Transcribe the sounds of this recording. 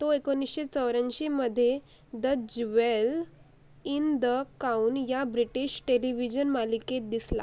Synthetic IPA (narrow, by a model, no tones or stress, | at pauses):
t̪oekonːisɕet͡səʋɾãɲt͡ɕiməd̪ʱːje | d̪əd͡ʑʋel | ind̪əkaunjabɾiʈiɕʈeliʋid͡ʑənmaliket̪̚d̪isla̰